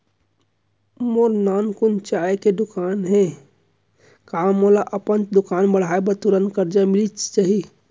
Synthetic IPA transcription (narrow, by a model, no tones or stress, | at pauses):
moɾnankunt͡ʃaeked̪ukanɦɛ̃ | kamolaʔəpənd̪ukanbəɽ̤aebət̪uɾənkəɾd͡ʒamilit͡ʃt͡ʃaɦi